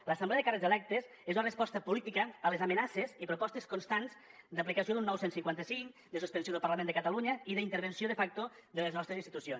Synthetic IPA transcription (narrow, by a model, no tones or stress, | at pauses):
ləsəmbleəðekarezðelɛk̚t̪ez | ezunərəspɔst̪əpulit̪ikəːlezamənasezipɾupɔst̪eskunst̪anzd̪aplikəsioðunːɔwsensiŋkwant̪əsiŋkd̪əsuspənsjoðəlˠpaɾlamend̪əkət̪aluɲəiðəint̪əɾβ̞ənsioðəfak̚t̪oðələznɔst̪ɾezinst̪it̪usions